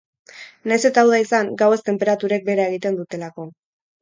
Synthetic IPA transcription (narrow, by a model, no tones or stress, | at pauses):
najse̞t̪aːwðaisaŋɡawe̞st̪e̞mpe̞ɾat̪uɾe̞k̚be̞ɾae̞ɣit̪e̞nd̪ut̪e̞lako̞